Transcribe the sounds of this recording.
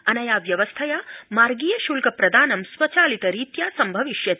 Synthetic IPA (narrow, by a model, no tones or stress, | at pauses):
ɐnɐjaːʋjɐʋɐst̪ʰɐjaːmaːɾɡiːjɐʃuːlkɐpɾɐd̪ʱaːnɐmsʋɐt͡ʃaːlit̪ɐɾiːt̪jaːsɐmbʱɐʋiʃjɐt̪